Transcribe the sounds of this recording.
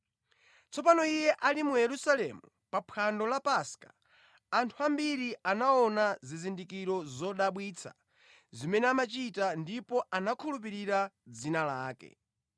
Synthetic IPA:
t͡sʰɔpanɔijɛʔalimujɛɾusalɛmu | papʰandɔlapaskḁː | ntʰuambiɾianaɔnazizindikiɾɔzɔɗaɓwiːt͡sʰa̰ | zimɛnɛamat͡ʃitandipɔʔanakʰulup̬iɾiɾad͡zinalaːkɛ̰

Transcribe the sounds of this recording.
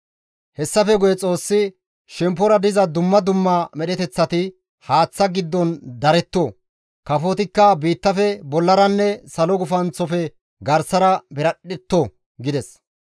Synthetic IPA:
hɛsːɐfɛɡʊjɛt͡sʼo̞ːsːɪ | ʃɛmpːɔɾɐd̪ɪzɐd̪ʊmːɐd̪ʊmːɐmɛɗɛt̪ɛt͡sːɐt̪ɪ | haːt͡sːɐɡɪd̪ːɔnd̪ɐɾɛt̪ːoː | kɐfot̪ɪkːɐbiːt̪ːɐfɛbɔlːɐɾɐnːɛsɐlɔɡʊfɐnt͡sːɔfɛ | ɡɐɾsɐɾɐbɛɾɐɗɛt̪ːo | ɡɪd̪ɛs

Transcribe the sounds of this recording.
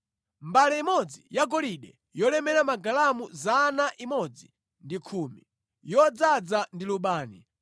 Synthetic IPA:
mbalɛimɔd͡zijaɡɔliɗɛ | jɔlɛmɛɾamaɡalamuzanaʔimɔd͡zi | ndikʰuːmi | jɔd͡zad͡zandiluɓaːni

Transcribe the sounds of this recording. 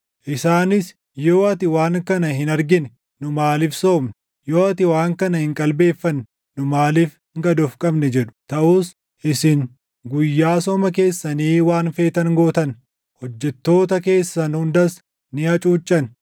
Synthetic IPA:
ʔɪsaːnɪs | joːʔɐt̪ɪwaːŋkɐnɐhɪnɐɾɡɪnɛ | nʊmaːliːfso̞ːmn | joːɐt̪ɪwaːŋkɐnɐhɪŋkʼɐlbe̞ːfːɐnː | ʊmaːliːf | ŋɡɐd̪ɔfkʼɐbnɛd͡ʒɛᶑʊ̥t̪ɐʔuːs | ʔɪsɪŋ | ɡʊjːaːsɔmɐk̬e̞ːsːɐniːwaːnfe̞ːt̪ɐnɡoːt̪ɐn | hɔd͡ʒːɛt̪ːo̞ːt̪ɐke̞ːsːɐnhʊnd̪ɐs | nɪhɐt͡ʃʼuːt͡ʃʼːɐn

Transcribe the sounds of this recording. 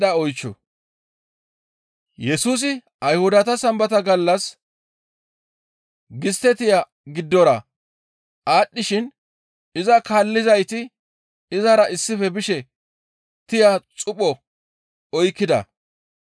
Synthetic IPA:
d̪ɐɔjt͡ʃːɔ̰ | jɛsuːs̬ɪ | ɐjhʊd̪ɐt̪ɐsɐmbɐt̪ɐɡɐlːɐs | ɡɪst̪ːɛt̪ɪja | ɡɪd̪ːɔɾɐ | ʔaːɗːɪʃɪn | ɪzɐkaːlːɪzɐjt̪ɪ | ɪzɐɾɐʔɪsːɪfɛbɪʃɛ | t̪ɪjat͡sʼʊpʼɔ | ɔjkːɪd̪ɐ̰

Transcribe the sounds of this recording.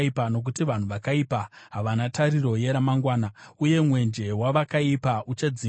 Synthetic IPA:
ipano̞k̬utiʋan̤uʋakaipaɦaʋanataɾiro̞je̞ɾamaŋɡwaːnauje̞mwe̞nd͡ʒe̞waʋakaipaʔut͡ʃed͡zi

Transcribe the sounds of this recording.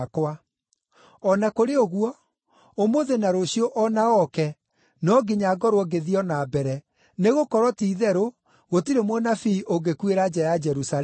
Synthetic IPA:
kwa | ɔnakoɾeoɣwɔ | omoðenaɾoɕiɔʔɔnaɔkɛ | nɔɡeɲaɡɔɾwɔɡeðiɔnabɛɾɛ | neɣokɔɾwɔtiːðɛɾo | ɣotiɾemwɔnafiʔoŋɡekueɾad͡ʑɛjad͡ʒɛɾusa

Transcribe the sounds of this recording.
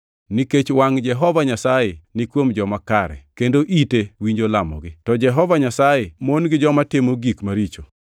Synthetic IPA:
niket͡ʃwaŋd͡ʒɛɦɔvaɲasajɛnɪkwomd͡ʒɔmakaɾɛ̰kendoʔitewiɲd͡ʒolamɔ̰ɡɪtɔd͡ʒɛɦɔvaɲasajɛmonɡɪd͡ʒɔmatɪmoɡikmaɾit͡ʃo

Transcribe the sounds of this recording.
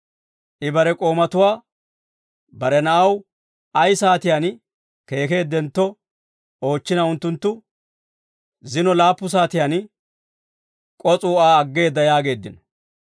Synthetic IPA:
ʔɪbɐɾɛkʼo̞ːmɐt̪ʊwaː | bɐɾɛnɐʔɐw | ɐjsaːt̪ɪjan | ke̞ːke̞ːd̪ːɛnt̪ːɔ | o̞ːt͡ʃːɪnɐʊnt̪ːʊnt̪ːʊ | zɪnɔlaːpːʊs̬aːt̪ɪjan | kʼɔt͡sʼuːaːɐɡːe̞ːd̪ːɐjaːɡe̞ːd̪ːɪnɔ̥

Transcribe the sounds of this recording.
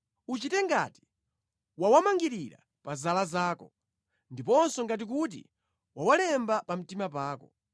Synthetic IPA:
ut͡ʃitɛŋɡa̰ti̥ | wawamaŋɡiɾiɾa̰ | pazalazaːkɔ | ndipɔnsɔŋɡat̬ik̬ut̬ḭ | wawalɛmbapam̩timap̬aːkɔ

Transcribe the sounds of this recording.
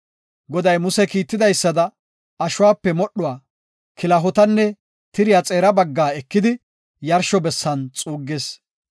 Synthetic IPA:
ɡɔd̪ɐjmʊsɛkiːt̪ːɪd̪ɐjsːɐd̪ɐ | ɐʃʊwaːpːɛmɔɗːʊwaː | kɪlɐɦɔt̪ɐnːɛ | t̪ɪɾɪjat͡sʼeːɾɐbɐɡːaːɛkːɪd̪ɪ | jɐɾʃɔbɛsːɐnt͡sʼuːɡːeːs

